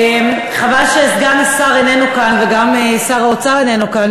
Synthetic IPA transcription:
em | χavalʃeɡamsaʁenenukanveɡamesaʁaot͡saʁenenukan

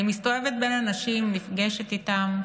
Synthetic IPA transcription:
imist̪o̞evet̪̚be̞nanaʃimːifɡeʃet̪it̪am

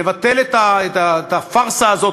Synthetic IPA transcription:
evat̪elet̪aet̪aet̪afaʁsaːzo

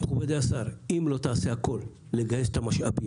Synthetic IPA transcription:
mχubed̪easaɾimlo̞t̪aːse̞ako̞lː | eɡajest̪amaʃa̰bim

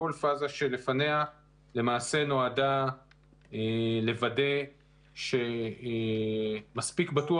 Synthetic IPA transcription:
olfazaʃe̞lefanea | le̞maːse̞no̞ada | ele̞vade̞ | ʃe̞ | maspikbatu

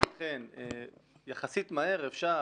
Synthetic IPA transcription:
χenejaχasit̪mae̞ʁefʃa

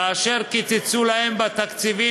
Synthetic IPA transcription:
aːʃe̞ʁkit͡sit͡sulahembat̪akt͡sivi

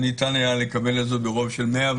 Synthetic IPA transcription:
nitanajalekabe̞lazobeʁo̞vʃelmeav

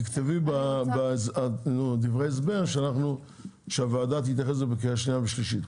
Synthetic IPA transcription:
kt̪evibabasanud̪ivʁejes̬beʁʃeanaχnu | ʃeavaːd̪at̪hit̪jaχes̬obekejaʃnijaveʃliʃit̪

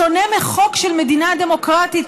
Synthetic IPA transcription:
o̞nemeχo̞kʃelme̞dinad̪e̞mo̞kʁat̪it

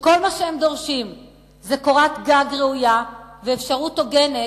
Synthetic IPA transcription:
ko̞lmaʃehemd̪o̞ʁʃim | zeko̞ʁat̪ɡaɡʁeujaveːfʃaʁut̪o̞ɡe̞ne

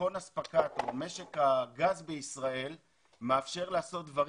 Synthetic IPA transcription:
o̞naspakat̪ome̞ʃe̞kaɡazbeisʁae̞l | meafʃe̞ʁlaːso̞t̪̚d̪vaʁ

